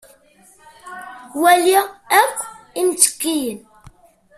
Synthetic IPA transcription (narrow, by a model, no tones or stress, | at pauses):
wæliækʷːimt͡sːə̥kːijən